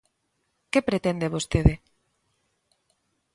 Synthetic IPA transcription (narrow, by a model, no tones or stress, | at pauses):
kepɾet̪end̪eβost̪eðɪ